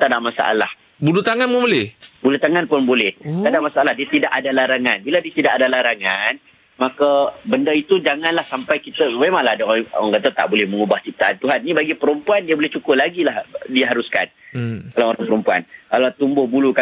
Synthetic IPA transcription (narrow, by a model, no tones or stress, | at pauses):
t̪adamasa̰ʔa̰lah | bulut̪aŋanpʊbolɛhbulut̪aŋanpʊnbolɛht̪adamasaʔalahdiat̪idaʔadalaɾaŋanbiladiat̪idaʔadalaɾaŋan | makabəndait̪ud͡ʒaŋãnlahsampajkit̪əmemãŋlahdaaŋkat̪at̪a̰ʔbolɛhməŋubaht͡ʃip̚t̪aant̪uɦanːĩbaɡipəɾəmpuandiabolɛht͡ʃukʊlaɡilahdiaɦaɾuska̰nkalaoɾaŋpəɾəmpua̰nkalat̪umbʊhbuluka